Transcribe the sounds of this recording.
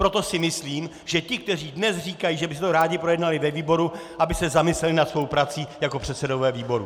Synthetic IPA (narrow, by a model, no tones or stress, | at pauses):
pɾo̞t̪o̞sɪmɪsliːm | ʒɛcɪk̚t̪ɛriːdnɛsr̝iːkajiːʒɛbɪs̬ɛt̪oɾaːɟɪpɾo̞jɛdnalɪvɛviːbo̞ɾuʔabɪsɛzamɪslɛlɪnat̪svo̞wpɾat̪t͡siːjako̞pr̝̥ɛt̪sɛdo̞vɛːviːbo̞ɾu